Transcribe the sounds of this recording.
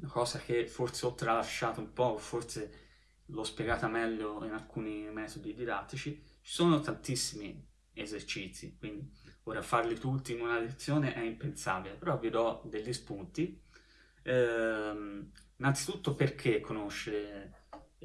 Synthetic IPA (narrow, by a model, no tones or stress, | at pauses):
nakɔːsak̟efːoɾt̪seɔt̪ːɾalaʃːaːt̪oumpɔfːort̪se | lɔspjɛɡaːt̪amɛʎːoinalkuːnimɛːt̪od̪id̪id̪a̰t̪ːit͡ʃit͡ʃi̥soːnot̪ant̪isːimi | ezert͡ʃit̪sːikwind̪ioːɾafarlit̪ut̪ːiːnunalet̪sːjoːneʔɛimpensa̰ːbilepeɾɔvid̪ɔd̪eʎːispunt̪i | ɛ | inːant̪sit̪ut̪ːopeɾkʰekːonoʃːeɾe